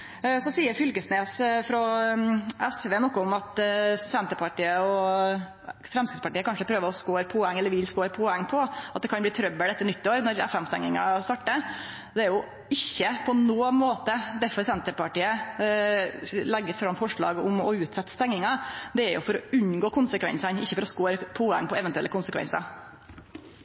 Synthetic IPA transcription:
sɔsiːəɾfʏlkəsneːsfɾɔ | ɛsʋeːnɔkːəʊmɑt̪sɛnt̪əpɑʈiːəɔ | fɾɛmskɪspɑʈiːəkɑnʂəpʰɾøːʋəɾɔskoːɾpʰɔɛŋːɛlːəɾʋɪlskoːɾpʰɔɛŋːpʰɔɑt̪̚d̪ɛkʰɑnbliːt̪ʰɾœbːəɖ̪ɛt̪ːənʏt̪ːɪoːɾnɔɾɛ̰fɛmst̪ɛ̰ŋːɪŋɑ̰st̪ɑʈːə | d̪ɛæɾjʊ | ɪçːəpʰɔnoːmoːt̪əd̪æɾfɔɾsɛnt̪əpɑʈiːə | lɛɡːəɾfɾɑmːfɔʂɭɑ̰ːɡʊmɔʉːt̪sɛt̪ːə̥st̪ɛŋnɪŋɑd̪ɛæɾjʊ̰fɔɾɔʉnɡoːkʰʊnsəkʋɛ̰nsɑnɪçːəfɔɾɔskoːɾpʰɔɛ̰ŋːpɔɛʋɛnt̪ʉɛ̰lːəkʊnsəkʰʋɛ̰nsɑ̰

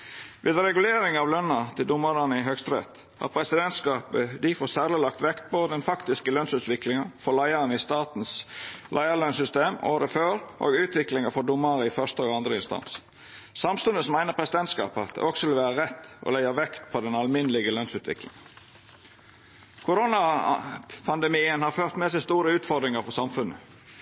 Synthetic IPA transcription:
ʋeːd̪ɾɛɡʉleːɾɪŋɑʋlœnːɑt̪ʰɪld̪ʊmːəɾɑnəɪɦœkst̪ɾɛ̰t̪ | hɑ̰ʁpʰɾɛsɪd̪ɛnt̪skɑːpəd̪ɪfoːsæːʁlɪlɑk̚t̪ʋɛkt̪̚pʰɔd̪ɛnfɑkt̪ɪskəlœnsʉːt̪ʋɪklɪŋənfɔlæɪəɾənɪst̪ɑːt̪n̩slʔæɪəɾlœnsʏst̪eːmo̰ːɾəføːɾʔo̰ːɡʉːt̪ʰʋɪklɪŋəfɔd̪ʊmːəɾəɪfœʂt̪əoːɡɑnd̪ɾəɪnst̪ɑ̰ns | sɑmst̪ʉnd̪əsɔmæɪnəɾpʰɾɛsɪd̪ɛnt̪skɑ̰ːpəɑt̪̚d̪ɛ̰ʔɔksɔʋɪlʋæːɾəʁɛt̪ːʔɔ̰læɪɑʋɛkt̪pʰɔd̪ɛnɑlmɪnəlɪɡəlœnsʉːt̪ʰʋɪ̰klɪ̰ŋə | kʰʊɾonɑ | pʰɑnd̪ɛmiːənhɑɾføːʁt̪mɛsæɪst̪uːɾəʉːt̪fɔʁd̪ɾɪŋəɾfɔsɑmfʉnːə

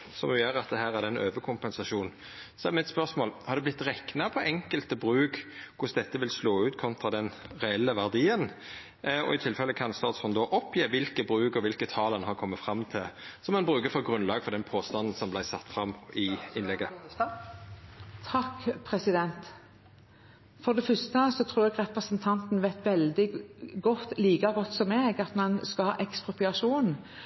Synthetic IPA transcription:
sɔmʉjæːɾɑt̪̚d̪ɛɦæːɾæʁd̪ɛnøːʋəkʰʊmpɛnsɑʃuːn | sɔɛmɪɛt̪spœʁsmoːlhɑɾd̪ɛblɪt̪ːɾɛknɑpʰɔɛŋkəlt̪əbʁʉːkkʰʊsd̪ɛt̪ːəʋɪlsloːʉːt̪kʰɔnt̪ʁɑd̪ɛnʁɛɛlːəʋæʁd̪iːən | ɔ̰ɪt̪ʰɪlfɛlːəkʰɑnst̪ɑːt̪sfɔnd̪ɔʔɔpʰjeːʋɪlkəbʁʉːɡɔʋɪlkət̪ʰɑːlɛnhɑʁkʰɔmːət̪fɾɑmːt̪ʰɪlsɔmɛnbɾʉːkəfɔɾɡʁʉnlɑːɡfɔʁd̪ɛnpʰoːst̪ɑnn̩sɔmblæɪsɑt̪ːfɾɑmɪɪnlɛɡːə | t̪ʰɑkːpʰɾɛsɪd̪ɛnt̪ | fɔd̪ɛfœst̪əsɔt̪ʰɾuːʁɛːɡʁɛpɾəsənt̪ʰɑnt̪nʋæɪt̪ʋɛld̪ɪɡɔt̪ːliːkɑɡɔt̪ːsɔmeːɡɑt̪mɑnskɑhɑːʔɛkspʁʊpɪɑʂuːn

